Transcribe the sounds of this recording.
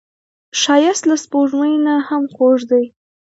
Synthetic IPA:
ʃɑjɪst̪laspoʐməjnahamxoʐd̪əj

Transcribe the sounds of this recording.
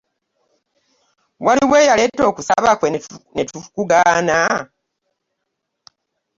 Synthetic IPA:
waliwe̞ːjaletːo̞ːkusa̰βakwenetukuɡaːna

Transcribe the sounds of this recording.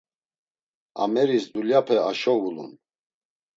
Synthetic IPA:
a̰mɛɾisd̪uljapʰɛaʃɔvulṵn

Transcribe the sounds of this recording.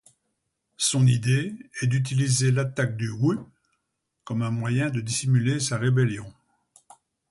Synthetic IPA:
sɔ̃nid̪eɛd̪yt̪̬ilizelat̪ak̚d̪yʁy | kɔmɛ̃mwajɛ̃d̪əd̪isimylesaʁebeljɔ̃

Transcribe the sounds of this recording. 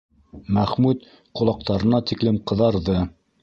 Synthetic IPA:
mæχmʉt̪ | qŏlˠɑq̚t̪ɑɾɤ̆nɑt̪iklɘmqɤ̆ðɑɾðɤ

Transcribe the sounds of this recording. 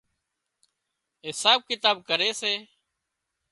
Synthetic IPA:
ɦɪsaːb̚kɪt̪aːb̚kəɾeːseː

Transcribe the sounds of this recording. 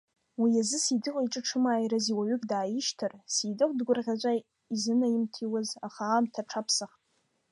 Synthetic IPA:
wiazɨsidɨqʼiʈ͡ʂʼɨʈ͡ʂʰɨmaːjɾaziwaɥʏkʲʼdaːjɪʃtʰɨrsidɨqʷʼdɡʷʊrʁʲat͡ʃʷʼa | izɨnajimtʰiwaza̰χaːmtʰaʈ͡ʂʰapʰsaχtʼ

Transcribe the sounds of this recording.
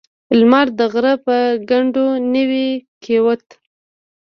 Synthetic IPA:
lmɑɾd̪əɣɾəpəɡaɳɖonəwikʰewət̪

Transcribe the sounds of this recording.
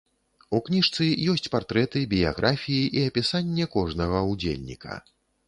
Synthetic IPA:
uknʲiʂt̪sɨjɔsʲt͡sʲpart̪ɾɛt̪ɨbʲija̰ɣɾʔafʲijiʔiɐpʲisanʲːɛkɔʐnɐɣɐud͡zʲḛlʲnʲḭkʰɐ̥̰

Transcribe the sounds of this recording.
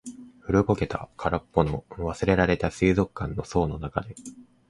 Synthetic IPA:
ɸɯ̟ɾɯɡo̞ke̞t̪a̰kʰaɾapːo̞no̞βasɨɾe̞ɾaɾe̞t̪asɨːzo̞kːãnːo̞so̞ːno̞nakad̪e̞

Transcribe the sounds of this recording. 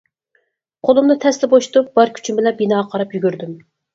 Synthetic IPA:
qʰolˠumnɨt̪ʰɛslɪboʃu̥t̪up̚b̥ɑɾkʲʰy̥t͡ʃʰymbɪlɛbinɑːʁqʰɑɾɑpjyɡʲyɾd̪ym

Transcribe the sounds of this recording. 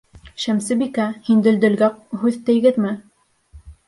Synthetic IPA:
ʃæmsɘbikæhind̪ɘ̆ld̪ɘ̆lɡæq̚hʉðt̪ɘ̆jɡɘðmɘ

